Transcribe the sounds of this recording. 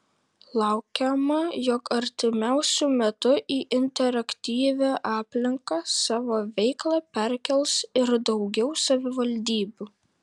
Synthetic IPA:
lˠɐˑʊkʲɛmɐjɔkɐɾʲt̪ʲɪmʲæˑʊsʲʊmʲɛt̪ʊʔiːʔɪnʲt̪ʲɛɾɐkʲt̪ʲiːʋʲæːʔɑːpʲlʲɪŋkɑsɑːʋoːʋʲɛɪklˠɑpʲɛɾʲkʲɛlˠsɪɾd̪ɒʊɡʲɛʊsɐʋʲɪʋɐlʲd̪ʲiːbʲuː

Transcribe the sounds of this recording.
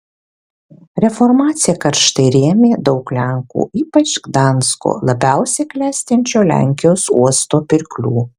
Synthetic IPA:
ɾʲɛfɔɾmɑːt̪sʲɪjɛkɐɾʃt̪ɐɪɾʲiɛmʲeːd̪ɒʊklʲɛŋkṵːʔiːpɐt͡ʃɡd̪ɑˑnsko̰ːlˠɐbʲæˑʊsʲeklʲæːsʲt̪ʲɛnʲt͡ʃʲoːlʲæ̰ˑŋʲkʲɪjoːsuɔst̪oːpʲɪɾʲklʲuː

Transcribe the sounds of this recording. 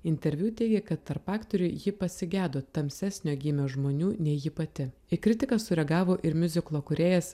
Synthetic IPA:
ɪnʲt̪ʲɛɾʲʋʲjuːt̪ʲɛɪɡʲɛkɐt̪tːɐɾpɑːkt̪oɾʲʊɪjɪpɐsʲɪɡʲæːd̪oːt̪ɐmʲsʲæːsʲnʲoːɡʲiːmʲoːʒmoːnʲuːnʲɛɪjɪpɐt̪ʲɪ | ɪkɾʲɪt̪ʲɪkɐsʊɾʲɛɡɑːʋoːʔɪɾmʲʊzʲɪklˠoːkʊɾʲeːjɛs

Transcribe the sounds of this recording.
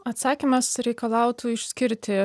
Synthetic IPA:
ɐt̪sɑːkʲimɐsɾʲɛɪkɐlˠɑˑʊt̪uɪʃʲsʲkʲɪɾʲt̪ʲɪ

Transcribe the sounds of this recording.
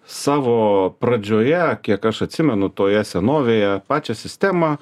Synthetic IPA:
sɑːʋoːpɾɐd͡ʒʲoːjɛkʲiɛkɐʃɐt̪ʲsʲɪmʲɛnʊt̪oːjɛsʲɛnoːʋʲeːjɛpɑːt͡ʃʲɛsʲɪsʲt̪ʲæmɑ

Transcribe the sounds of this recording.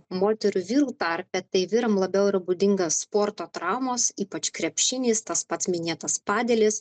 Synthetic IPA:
moːt̪ʲɛɾʲʊʋʲiːɾuːt̪ɐɾʲpʲɛt̪ɐɪʋʲɪɾɐmlˠɐbʲɛʊɪɾɐbʊd̪ʲɪŋɡɐsːpoːɾt̪oːt̪ɾɑˑʊmosiːpɐt͡ʃkɾʲɛpʲʃʲɪnʲiːst̪ɐspɐt̪smʲɪnʲeːt̪ɐspɑːd̪ʲɛlʲɪs

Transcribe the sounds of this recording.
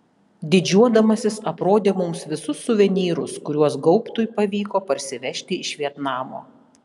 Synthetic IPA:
d̪ʲɪd͡ʒʲuɔd̪ɐmɐsʲɪsɐpɾoːd̪ʲeːmʊmsʋʲɪsʊsːʊʋʲɛnʲiːɾʊ̰skʊɾʲuɔsɡɔʊpt̪ʊjpɐʋʲiːkoːpɐɾʲsʲɪʋʲɛʃʲt̪ʲɪɪʃʲʋʲiɛt̪nɑːmo̰ː

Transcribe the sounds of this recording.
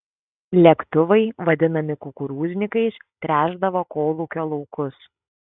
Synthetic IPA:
lʲɛkt̪ʊʋɐɪʋɐd̪ʲɪnɐmʲɪkʊkʊɾuːzʲnʲɪkɐɪst̪ʲɾʲæːʒd̪ɐʋoːkoːlˠuːkʲɔlˠɔʊkʊs

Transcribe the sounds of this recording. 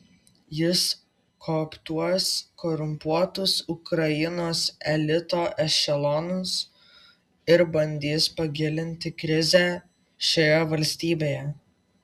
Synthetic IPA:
jɪs | kʰopt̪uɔskɔɾʊmpuɔt̪ʊsʊkɾɐjɪnoːsɛlʲɪt̪oːʔɛʃʃʲɛlˠɔnʊs | ɪɾbɐnʲd̪ʲiːspɐɡʲɪlʲɪnʲt̪ʲɪkɾʲɪzʲæ | ʃʲojɛʋɐlʲsʲt̪ʲiːbʲeːjɛ

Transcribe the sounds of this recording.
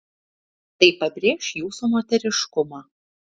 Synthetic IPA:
t̪ɐɪpɐbʲɾʲeːʃjuːsuːmoːt̪ʲɛɾʲɪʃkʊmɑː

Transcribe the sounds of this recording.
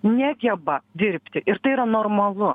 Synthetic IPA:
nʲæɡʲɛbɐd̪ʲɪɾʲpʲt̪ʲɪʔɪɾt̪ɐɪiɾɐnoːɾmɐlˠʊ

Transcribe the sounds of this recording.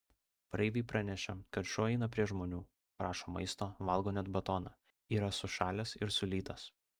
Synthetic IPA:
pɾɐɪʋ̪ʲɐɪpɾɑnʲɛʃʲɛkɐt̪ʃʲoːɛɪnɐpʲɾʲiɛʒmoːnʲuː | pɾɑːʃoːmɐ̰ɪst̪oːʋɐlˠɡoːnʲɛt̪bɐt̪ɔːnɑ | iːɾɐsʊʃɑːlʲɛsɪɾsʊlʲiːt̪ɐs

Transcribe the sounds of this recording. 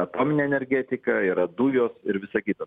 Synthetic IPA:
ɐt̪oːmʲɪnʲeːɛnʲɛɾʲɡʲɛt̪ʲɪkɐiːɾɐd̪uːjoːsɪɾʋʲɪsɐkʲiːt̪ɐ

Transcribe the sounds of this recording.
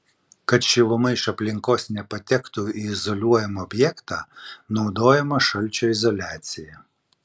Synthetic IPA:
kɐt̪ʃʲɪʋˠʊmɐɪʃɐpʲlʲɪŋkoːsnʲɛpɐt̪ʲɛkt̪uiɪzɔlʲuɔjɛmɐɔbʲjɛkt̪ɑ̰ːnɔʊd̪oːjɛmɐʃɐlʲt͡ʃʲɔɪzɔlʲæːt̪sʲɪjɛ

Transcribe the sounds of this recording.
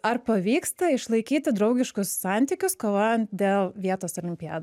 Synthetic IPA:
ɐɾpɐʋʲiːkst̪ɐɪʃlˠɐɪkʲiːt̪ʲɪd̪ɾɐʊɡʲɪʃkʊsːɑˑnʲt̪ʲiːkʲʊskoːʋoːjɛnt̪̚d̪ʲeːlˠʋʲiɛt̪oːsoːlʲɪmʲpʲɪa̰ːd̪

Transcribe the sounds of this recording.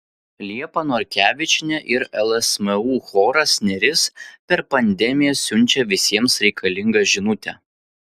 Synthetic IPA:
lʲiɛpɐnɔɾʲkʲæːʋʲɪt͡ʃʲɪnʲɛʔɪɾɛlˠɛsʲmʲɛuːxoːɾɐsʲnʲɛɾʲɪspʲɛɾpɐnʲd̪ʲɛmʲɪjɛsʲʊnʲˑt͡ʃʲɛʋʲɪsʲiɛmsɾʲɛɪkʰɐlʲɪŋɡɐʒʲɪnʊt̪ʲɛ̰

